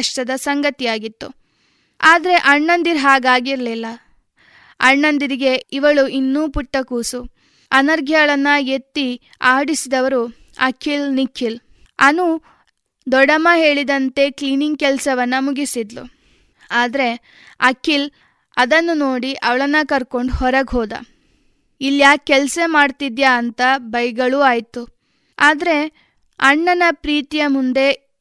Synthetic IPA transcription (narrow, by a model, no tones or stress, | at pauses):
ɐʂʈɐd̪ɐsɐŋɡɐt̪ijaːɡit̪ːu | aːd̪ɐɾe̞ʔɐɳːɐnd̪iɾɦaːɡaːɡiɾlilːɐ | ɐɳːɐnd̪iɾiɡe̞iʋɐɭuʔinːuːpuʈːɐkuːsu | ɐnɐɾɡʱjɐɡɐɭɐnːɐet̪ːi | aːɽisid̪ɐʋɐɾu | ɐ̰kʰːilnikʰːil | ɐnu | d̪ɔɽɐmɐɦe̞ːɭid̪ɐnt̪e̞kliːniŋɡ̚kɛlsɐʋɐnːɐmuɡisid̪lṵ | aːd̪ɐɾe̞ | ɐkʰːil | ɐd̪ɐnːunoːɽiʔɐʋɐɭɐnːɐkɐɾko̞ɳɖhɔɾɐɡɦoːd̪ɐ̰ | ilːjaːkːɛlsemaːɖt̪id̪jaːnt̪ɐbɐjɡɐɭuːaːjt̪u | aːd̪ɐɾe̞ | ɐɳːɐnɐpɾiːt̪ijɐmund̪e̞